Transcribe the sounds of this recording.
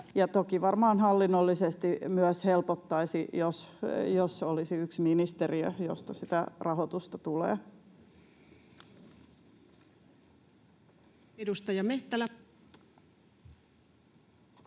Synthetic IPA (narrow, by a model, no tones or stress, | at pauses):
jɑt̪okiʋɑrmɑːnhɑlːinːolːisest̪imyœshelpot̪ːɑisijosjosolisiyksminist̪eriøjost̪ɑsit̪æ̰rɑɦot̪ust̪ɑt̪ulḛː | edust̪ɑjɑmeht̪ælæ